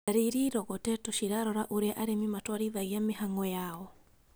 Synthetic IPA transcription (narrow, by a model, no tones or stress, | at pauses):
aɾiɾiɾɔɣɔtɛtɔʃiɾaɾɔɾaʔoɾeaʔaɾemimatwaɾiðaiameɦaŋɔjaɔ